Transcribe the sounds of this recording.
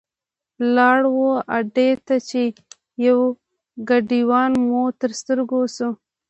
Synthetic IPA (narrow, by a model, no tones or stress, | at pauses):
lɑɽwoaɖet̪at͡ʃe | jaw | ɡaɖiwɑnmot̪əɾst̪əɾɡosu